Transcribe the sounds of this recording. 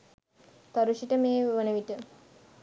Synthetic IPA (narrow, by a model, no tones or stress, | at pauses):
t̪ɔɾuʃiʈəmeːʋənəʋiʈə